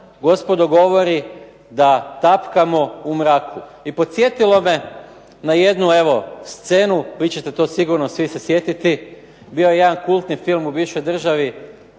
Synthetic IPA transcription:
ɡo̞spo̞d̪oɡo̞ʋo̞ɾi | d̪at̪apkamoumɾaːkʰuipo̞t̪sje̞t̪ilo̞me̞ | naje̞d̪nue̞ʋo̞st̪se̞ːnuʋit͡ɕe̞t̪e̞t̪o̞siɡuɾnosʋisesje̞t̪it̪i | bio̞jeje̞d̪ankulˠt̪nifilˠmubiːwʃo̞jd̪r̩ʒaʋi

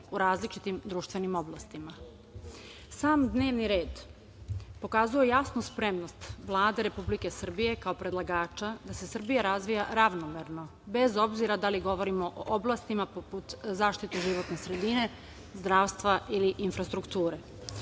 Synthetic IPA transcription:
uɾaːzlit͡ʃit̪imd̪ɾuːʃt̪ʋe̞nimo̞blˠast̪ima | saːmd̪ne̞ːʋniɾe̞ːd̪ | po̞kazuje̞jasnuspɾe̞mno̞st̪ʋlˠaːd̪e̞ɾe̞publike̞sr̩bije̞kaopɾe̞d̪lˠaɡaːt͡ʃad̪ase̞sr̩bijaɾazʋijaɾaʋnomeɾno̞ | be̞zo̞bziɾad̪aliɡo̞ʋo̞ɾimo̞ʔoʔoblˠast̪imapoput̪zaːʃt̪it̪eʒiʋo̞t̪ne̞sɾe̞d̪ine̞ | zd̪ɾaːʋst̪ʋaʔiliʔinfɾast̪ɾukt̪uːɾe̞

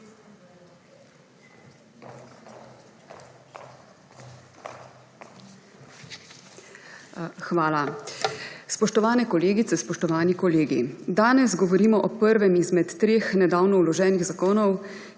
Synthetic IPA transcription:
xʋaːla | spɔʃt̪ɔʋaːnɛkɔleːɡit̪sɛspɔʃt̪ɔʋaːnikɔleːɡḭd̪aːnɛzɡɔʋɔɾiːmɔʔɔpəɾʋɛmizmɛt̪ːɾeːxnɛd̪aːwnɔwlɔʒɛːniɣzakoːnɔw

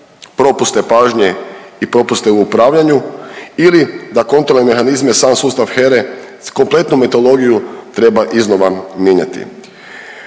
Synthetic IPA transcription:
pɾo̞pust̪e̞paːʒɲeipɾo̞pust̪euːpɾaːʋʎaɲuilid̪ako̞nt̪ɾolneme̞xanizme̞saːmsuːst̪aʋxeɾe | ko̞mple̞t̪numet̪o̞lˠo̞ɡijut̪ɾe̞baʔizno̞ʋamjeɲa̰t̪ḭ

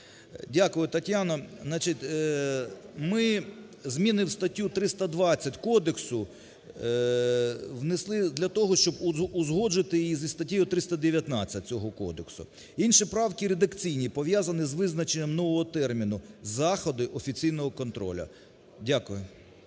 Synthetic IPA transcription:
dʲakʊjʊt̪ɐtʲjanɔznɑt͡ʃitʲ | mɪ | zmʲinɪwst̪ɐtʲːut̪ɾɪst̪ɐd̪ʋɑt͡sʲːɐtʲkɔd̪eksʊ | ʋneslˠɪd̪lʲɐt̪ɔɦɔʃt͡ʃɔbʊzɦɔd͡ʒɪt̪ɪjijizʲist̪ɐtʲijʊt̪ɾɪst̪ɐd̪eʋʲjɐt̪nɑt͡sʲɐt̚ʲt͡sʲɔɦɔkɔ̰d̪eksʊ̰ | inʃipɾɑwkʲiɾed̪ɐkt͡sʲijnʲipɔʋʲjazɐnɪzʋɪznɐt͡ʃenʲːɐmnɔʋɔɦɔt̪ɛrmʲinʊzɑxɔd̪ɪʔɔfʲit͡sʲijnɔɦɔkɔnt̪ɾɔ̰lʲɐ̰ | dʲakʊjʊ

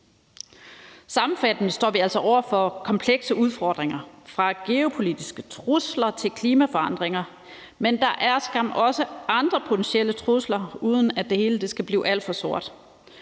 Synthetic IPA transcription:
sɑ̈mm̩fæd̥nəsd̥ɒ̰ːʋiæl̰sɒ̽ʔɒʊ̰ɐfɒ̽kʰɒ̽mpʰleɡ̥səʔuð̞ˠfɒ̰ːd̥ʁeŋɐfʁɑ̈ɡ̥e̝o̝pʰo̝lid̥isɡ̥ət͡sʰʁuslɐt͡sʰe̝lkʰliːmæfɒ̽ɑ̈n̰d̥ʁeŋɐ | mend̥ɑ̈ʔæɐsɡ̥ɑ̈m̰ɒ̽səɑ̈nd̥ʁɐpʰo̝t͡sʰensiel̰ət͡sʰʁuslɐuːð̞ˠn̩æd̥e̝he̝ːləd̥e̝sɡ̥æb̥lḭːʔæl̰d̥fɒ̽so̝ɐ̰d̥

